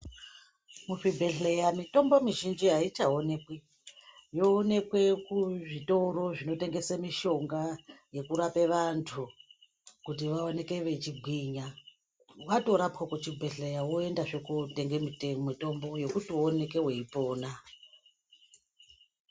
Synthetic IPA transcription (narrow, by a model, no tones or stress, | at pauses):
muʂibʱe̞ɬejamito̞mbo̞miʒind͡ʒiɦait͡ʃaone̞kwe | jo̞ːne̞kwe̞kuʐitoɾo̞ʐino̞te̞ŋɡe̞samiʃo̞ŋɡaje̞kuɾape̞ʋantʰu | kutiʋao̞ne̞ke̞ʋe̞t͡ʃiɡʱwiɲa | ʋato̞ɾapwakut͡ʃibʱeɬe̞jawoe̞ndaʐekuteŋɡemitemito̞mbo̞jo̞kutione̞ke̞we̞ipo̞ːna